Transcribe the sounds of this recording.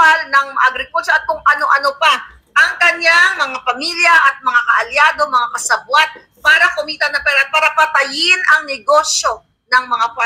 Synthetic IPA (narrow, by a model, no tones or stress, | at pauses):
alnɐŋmʔɐɡɾɪkult͡ʃoʔɐt̪̚kʊŋʔɐno̞ʔɐnopa | ʔɐŋkɐɲaŋmɐŋapɐmiljɐʔɐt̪̚mɐŋakɐʔɐljaːd̪o̞mɐŋakɐsɐbwat̪̚ | paːɾɐkʊmiːt̪ɐnɐpɛːɾɐt̪̚paːɾɐpɐt̪ɐjɪnɐŋnɛɡo̞sjo̞ | nɐŋmɐŋapa